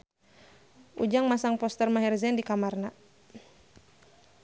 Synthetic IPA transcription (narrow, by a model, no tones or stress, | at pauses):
ʔṵd͡ʒaŋmasaŋpɔst̪ɛrmaɦɛrzɛndikamarna